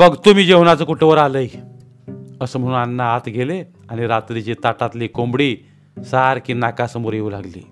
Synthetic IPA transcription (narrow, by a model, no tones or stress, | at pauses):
bəɡt̪umiːd͡ʑeɦoñat͡səkuʈʰəʋəɾaləj | əsəːm̤əɽuːnanːaat̪ɡʱele | aɽ̃iɾat̪ɾit͡ɕit̪aʈat̪liːkombɽiː | saɾkiːnakasəmoɾjeuːlaɡlḭː